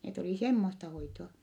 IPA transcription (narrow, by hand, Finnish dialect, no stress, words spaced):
net oliˑ semːostɑ hoitoɑ